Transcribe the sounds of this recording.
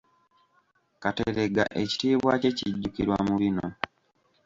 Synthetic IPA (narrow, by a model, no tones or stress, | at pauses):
kateɾe̞ɡa̰ʔe̞ci̥tiːβwace̞ciɟːukiɾwa̰muβino